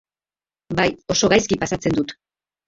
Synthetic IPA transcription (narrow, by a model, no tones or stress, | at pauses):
bajo̞so̞ɣajskipasat͡se̞nd̪ut̪